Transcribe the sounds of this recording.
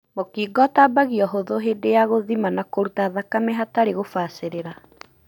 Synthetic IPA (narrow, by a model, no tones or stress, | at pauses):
mokiːɡɔtabaɣiɔɦoðoɦedejaɣoðimanakoɾutaðakamɛɦataɾeɣofaseɾeɾa